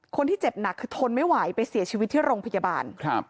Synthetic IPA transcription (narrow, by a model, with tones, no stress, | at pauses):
kʰo˧nt̪ʰiː˥˩t͡ɕe˨˩p̚na˨˩kʰːɯː˧t̪ʰo˧nma˥˩jwaː˩˦jpa˧jsi˨˩˦t͡ɕʰi˧wi˦˥t̪ʰːiː˥˩ɾoː˧ŋpʰa˧ja˧ba̰ː˧nkʰa˦˥p̚